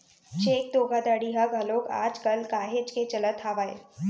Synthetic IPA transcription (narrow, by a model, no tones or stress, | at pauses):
t͡ʃeːk̚d̪oːɡʱad̪aɽiɦɐɡɦɐloːka̰ːd͡ʒkəlkaːɦed͡ʒket͡ʃɐlət̪ʰaːʋaːḛ